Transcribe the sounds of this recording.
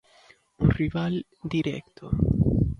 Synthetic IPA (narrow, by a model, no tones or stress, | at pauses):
unrival | d̪iɾɛ̰kt̪ʰo